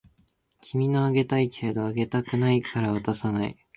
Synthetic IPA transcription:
kʲʰimʲino̞aɡe̞t̪aikʰe̞ːd̪o̞aɡe̞t̪akɯ̟naikʰaɾaβ̞at̪asanaḭ

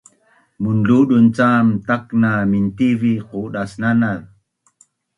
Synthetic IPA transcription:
munɮuɗunt͡samtaknamintiviquɗasnanal

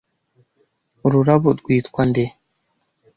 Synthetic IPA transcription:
uɾuɾaβoɾɡwiːtkwande

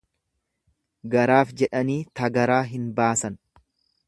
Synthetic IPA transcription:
ɡɐɾaːfd͡ʒɛᶑɐniːt̪ɐɡɐɾaːɦɪnbaːsɐn

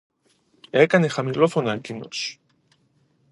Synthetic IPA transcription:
e̞kɐne̞xɐmilo̞fo̞nɐcino̰s

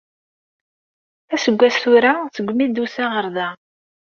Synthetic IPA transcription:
æsəɡʷːæsʊɾaθəɡʷmid̪usæʁəɾðæ

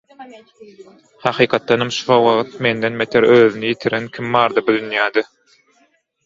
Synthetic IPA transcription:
hɑqʰiːqʰɑt̪̚ːɑnɑmʃu̥fɑwɑʁt̪̚me̞nd̪enmet̪ʰeɾøːðynyjit̪ʰiɾenkʲʰimːɑːɾd̪ɑbud̪ynjæːd̪i

